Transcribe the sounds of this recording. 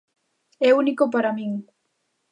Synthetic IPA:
eunikopaɾamiŋ

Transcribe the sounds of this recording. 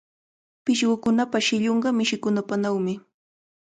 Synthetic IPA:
pɪʃɢʊkʊnapaʃɪʎoɴɢɑmɪʃɪkʊnapanawmɪ

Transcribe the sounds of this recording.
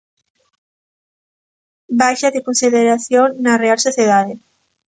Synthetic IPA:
bajʃaðekonsiðeɾaθjonːarealsoθjeðaðe

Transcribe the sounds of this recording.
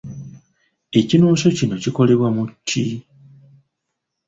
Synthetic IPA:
e̞cinuːʃo̞cino̞ciko̞le̞βwamutʰːi

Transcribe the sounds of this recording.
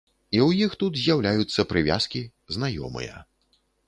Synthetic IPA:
iwjixt̪ut̪zʲjawlʲajut̪sːɐpɾɨvʲa̰skʲi | znajɔ̰mɨ̰jɐ̰

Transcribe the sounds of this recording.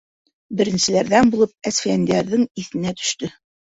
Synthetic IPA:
bɘ̆ɾɘ̆nsɘ̆læɾðænbulˠɤp̚æsfijænd̪æɾðɘŋiθɘ̆næt̪ɵ̥̆ʃt̪ɵ

